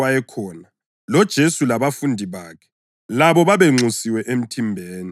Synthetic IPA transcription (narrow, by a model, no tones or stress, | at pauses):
wajɛkʰɔːna | lɔd̥ʒ̥ʱesulaβafundʱiβaːkʰɛ̥ | laβɔβaβeŋ͡ǀusiwɛʔem̩tʰimbʱeːni